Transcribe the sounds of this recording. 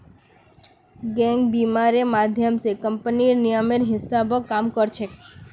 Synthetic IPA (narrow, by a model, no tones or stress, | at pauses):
ɡɛ̃ŋɡbimaɾemad̪ʱjəmsekəmpəninijəmeɾɦɪsabokːamkəɾt͡ʃʰe